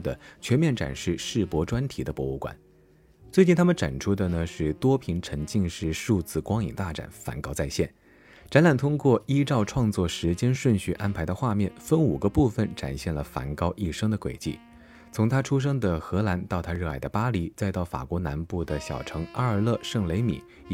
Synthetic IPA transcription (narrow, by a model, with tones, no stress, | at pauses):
d̪ə˩t͡ɕʰɥɛ˧˥nmjɛ˥˩nʈ͡ʂa̰˨˩nʂɻ̩˥˧ʂɻ̩˥˩pwɔ˧˥ʈ͡ʂwa˥nt̪ʰi˨˩d̪ə˦pwɔ˧˥u˥˩kwa̰˨˩˦n | t͡swe˥˩˧t͡ɕi˥˩nt̪ʰa˥mə˨ʈ͡ʂa̰˨˩nʈ͡ʂʰu˥d̪ə˨nə˩ʂɻ̩˥˩t̪wɔ˥pʰi˧˥ŋʈ͡ʂʰə˧˥ŋt͡ɕi˥˧ŋʂɻ̩˥˧ʂu˥˧t͡sɹ̩˥˩kwɑ˥ŋḭ˨˩ŋt̪a˥˩ʈ͡ʂa̰˨˩nfa̰˧˥nkɑ˥ʊt͡sa˥˧ɪɕjɛ˥˩n | ʈ͡ʂa˧˥nla˨˩nt̪ʰʊ˥ŋkwɔ˥˩i˥ʈ͡ʂɑ˥˧ʊʈ͡ʂʰwɑ˥˧ŋt͡swɔ˥˩ʂɻ̩˧˥t͡ɕjɛ˥nʂwə˥˧nɕy˥˩ʔa˥npʰa˧˥ɪd̪ə˧xwa˥˧mjɛ˥˩nfə˥nu˨˩ɡə˦pu˥˩fə˨˩nʈ͡ʂa̰˨˩nɕjɛ˥˩nlə˩fa̰˧˥nkɑ˥ʊʔi˥˩ʂɤ˥ŋd̪ə˨kwe˨˩ɪt͡ɕḭ˥˩ | t͡sʰʊ˧˥ŋt̪ʰa˥ʈ͡ʂʰu˥ʂ̬ɤ˥ŋd̪ə˨xɤ˧˥la˧˥nt̪ɑ˥˩ʊt̪ʰa˥ɻ̩˥˩a̰˧˩ɪd̪ə˧pa˥li˧˥t͡sa˥˧ɪt̪ɑ˥˩ʊfa̰˨˩kwɔ˧˥na˧˥npu˥˩d̪ə˩ɕjɑ̰˨˩ʊʈ͡ʂʰɤ˧˥ŋa˥ə˞˧˥lɤ˥˧ʂɤ˥˩ŋle˧˥ɪmḭ˨˩˦